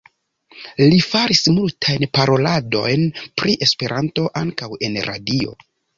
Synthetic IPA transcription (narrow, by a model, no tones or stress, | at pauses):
lifaɾismultʰajnpaɾo̞lado̞jnpɾiʔe̞spe̞ɾʔanto̞ʔaŋkawe̞nɾʔa̰dio̞̰